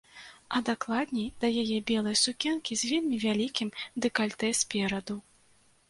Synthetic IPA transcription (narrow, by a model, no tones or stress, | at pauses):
ɐd̪aklˠad̪nʲɛjd̪ɐjajɛbʲɛlˠɐjsukʲɛnkʲizʲvʲɛlʲmʲivʲalʲikʲimd̪ɨkalʲt̪ɛsʲpʲɛɾɐd̪u